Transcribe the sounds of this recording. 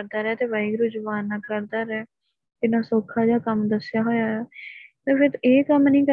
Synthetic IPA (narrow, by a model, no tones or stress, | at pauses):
ɾd̪aːɾɛːt̪eːʋaːiːɡɾʊd͡ʒʋaːnːaːkəɾd̪aːɾɛː | d͡ʒɪnãːsoːkʰːaːd͡ʒaːkəmd̪əsɪjaːɦoːjaːɛːt̪eːpʰɪɾeːkəmnĩːkə